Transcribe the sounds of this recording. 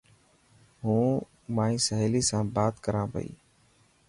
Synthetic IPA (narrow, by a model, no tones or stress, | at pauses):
ɦũː | mãːĩːsəɦeːliːsãːbaːt̪kəɾãːpə̰ḭː